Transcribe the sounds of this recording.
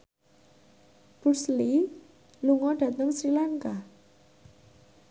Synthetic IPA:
b̥ursli | luŋɔɖ̥ä̤t̪əŋsɾilaŋka

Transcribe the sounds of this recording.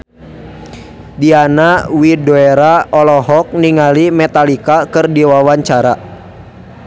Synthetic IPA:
dianawidoɛɾaɔlɔɦɔk̚niŋalimɛt̪alikakɨrdiwawaɲt͡ʃaɾa

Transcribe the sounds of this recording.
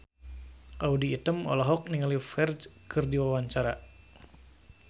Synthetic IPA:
ʔaudiːt̪əmɔ̰lɔɦɔk̚niŋəlifɛrd͡ʒkərdiwawaɲt͡ʃaɾa

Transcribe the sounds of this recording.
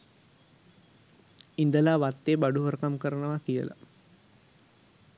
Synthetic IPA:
ind̪əlaːʋat̪ːeːbaɖuɦəɾkamkəɾənəʋakijə̰la̰

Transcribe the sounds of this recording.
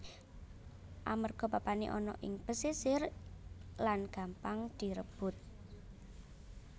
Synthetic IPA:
ʔamərɡ̥ɔ̤papanḛʔɔnɔ̰ʔɪŋb̥əsisɪr | lanɡ̥a̤mpaŋd̪̥i̤ɾəb̥ʊt̪̚

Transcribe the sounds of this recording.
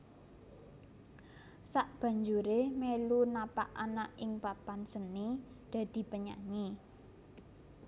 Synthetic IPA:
saʔb̥ä̤ɲd͡ʒuɾehmelunapaʔanaʔɪŋpapansəni | d̪̥a̤d̪̥i̤pəɲa̰ɲi

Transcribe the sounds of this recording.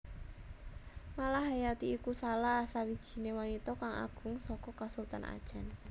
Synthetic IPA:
malaɦɦajat̪iikusalahsawid̥ʒ̥i̤newanit̪ɔkaŋa̰ɡ̥ʊ̤ŋsɔkɔkasult̪anʔa̰d̥ʒ̥an

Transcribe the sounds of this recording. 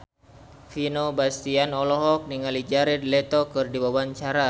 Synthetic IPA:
finobast̪ianɔlɔɦɔk̚niŋalid͡ʒaɾɛdlɛt̪ɔkɨrdibawaɲt͡ʃaɾa

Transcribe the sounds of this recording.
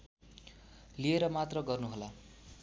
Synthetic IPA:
lieɾʌmat̪rʌɡʌrnuɦola

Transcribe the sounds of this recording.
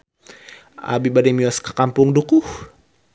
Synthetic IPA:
a̰bibadɛmiwaskə̥kampʊŋdukuh

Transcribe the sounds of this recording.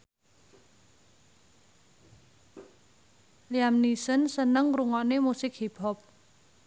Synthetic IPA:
liamnisənsənəŋɾuŋɔnemusɪk̚hipʰɔp̚

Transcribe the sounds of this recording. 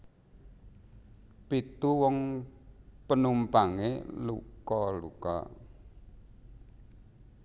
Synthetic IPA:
pit̪uwɔŋ | pənumpaŋelṵkɔlṵkɔ̰

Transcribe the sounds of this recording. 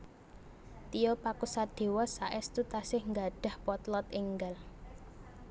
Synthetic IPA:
t̪ijɔpakusad̪̥e̤wɔsaʔɛst̪ut̪asɪhŋɡaɖ̥a̤hpɔt̪lɔt̪ɪŋɡal

